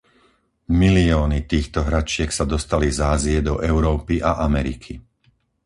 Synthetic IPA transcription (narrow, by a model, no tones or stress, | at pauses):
miliɔːnit̪iːxt̪ɔɦɾat͡ʃɪɛksad̪ɔst̪alizaːziɛd̪ɔʔɛʊɾɔːpiʔaʔamɛɾḭkʰi